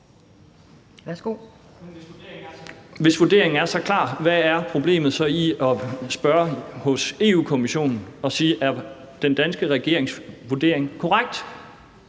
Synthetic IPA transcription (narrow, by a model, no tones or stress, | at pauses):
æsɡ̥o | ʋe̝sʋuɐd̥e̝ɐe̝ŋ̩æɐsɒ̽kʰlɑ̰̈ːʋæːɐpʰʁo̝b̥le̝̰ːmð̩ˠsɒ̽iɒ̽sb̥ɶɐhɔ̽se̝ːṵːkʰomiɕo̝̰ːnn̩ɒ̽siːʔæɐ | d̥end̥ænsɡ̥əʁɛɡ̥e̝ɐe̝ŋsʋuɐd̥e̝̰ɐ̰e̝ŋkʰɒʁaɡ̥̚d̥